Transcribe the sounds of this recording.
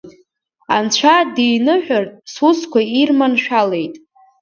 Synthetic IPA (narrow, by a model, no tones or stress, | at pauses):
ant͡ɕʷʰadejnɨħʷᶣartʼsuskʷairmanʃᶣale̞jtʼ